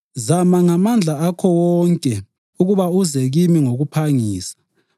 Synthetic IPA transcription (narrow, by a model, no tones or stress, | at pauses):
zamaŋamand͡ɮʱaakʰɔwɔŋkʼɛ | uɣuβauzɛɣimiŋoɣupʰaŋiːsḁ